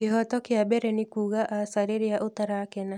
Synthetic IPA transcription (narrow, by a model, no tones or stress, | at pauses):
kɪɦɔtɔkɪabɛɾɛnɪkuːɣaʔasaɾeɾɪaʔot̪aɾakɛna